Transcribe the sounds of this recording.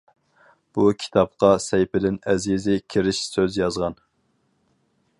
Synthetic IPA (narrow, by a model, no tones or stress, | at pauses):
b̥ukʲʰi̥t̪ʰɑp̚qɑsɛjpɪd̪ɪnɛzizɪkʲʰiɾɪʃsøzjɑzʁɑn